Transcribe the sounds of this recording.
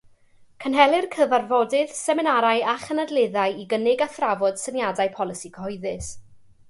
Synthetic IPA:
kʰənɦɛlˠɨrkʰəvarvɔdɨð̥sɛmɪnaɾajaχənadlˠeðajiɡənɪɡaθravɔd̥sənjadajpʰɔlˠɨsikʰəhɔɨðɨs

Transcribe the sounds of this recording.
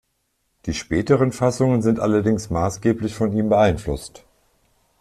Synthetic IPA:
d̥iːʃpɛːtəʁənfasʊŋənzɪntʔa̰lɐdɪŋsmaːsɡ̥eːplɪçfɔniːmbəʔaɪnflʊ̰st

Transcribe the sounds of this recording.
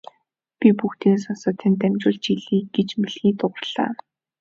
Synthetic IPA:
pʲipuxt̪iːns̬ɔnsə̆t̪ʰːænt̪æmt͡ɕʊːɮt͡ɕiɮiːɡet͡ɕmeɮxiːt̪ʊʁərɮ̥a̰ː

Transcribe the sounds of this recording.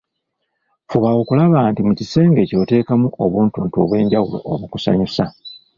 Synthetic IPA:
fuβawo̞kulaβaːntimucise̞ːŋɡe̞co̞ːte̞ːkamuʔoβuːntuntuoβwe̞ːɲɟawulo̞̰oβukusa̰ɲusa

